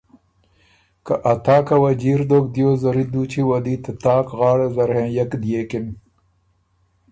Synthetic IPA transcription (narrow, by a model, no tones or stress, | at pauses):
kaʔat̪ɑːkawad͡ʒiɾd̪oːk̚d̪jozaɾid̪ut͡ʃiwad̪it̪ət̪ɑːkɣɑːɽezaɾhẽːjakd̪jeːkɪn